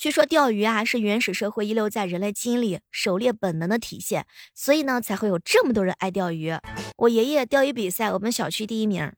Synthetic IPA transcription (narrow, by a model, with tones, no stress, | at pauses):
t͡ɕʰy˥˩ʂwɔ˥t̪jɑ˥˩ʊy˧˥a˧ʂɻ̩˥˩ɥɛ˧˥nʂɻ̩˨˩ʂɤ˥˧xwe˥˧ɪi˥ljo˥˧ʊt͡sa˥˩ɪɻə˧˥nle˧˥˩ɪt͡ɕi˥nli˨˩˦ʂo˨˩ʊljɛ˥˩pə˨˩nnə˧˥ŋd̪ə˧t̪ʰḭ˨˩ɕjɛ˥˩nswɔ˧˥i˨˩nə˧˦t͡sʰa˧˥ɪxwe˥˩ɪjo˨˩ʊʈ͡ʂɤ˥˩mə˩t̪wɔ˥ɻə˧˥nʔa˥˧ɪt̪jɑ˥˩ʊy˧˥wʔɔ˨˩jɛ˨˩jɛ˥˩t̪jɑ˥˩ʊy˧˥pi˨˩sa˥˩ɪwɔ˨˩mə˦nɕjɑ˨˩ʊt͡ɕʰy˥t̪i˥˧i˥mḭ˧˥